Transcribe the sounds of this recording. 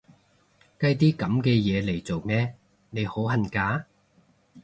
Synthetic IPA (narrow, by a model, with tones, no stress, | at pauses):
kɐ˧jt̪̬iː˥kɐ˨˥mkɛː˧jɛː˨˧le˨˩jt͡so˨wmɛː˥ | ne˨˧jho˨˥wɦɐ˨nkaː˨˥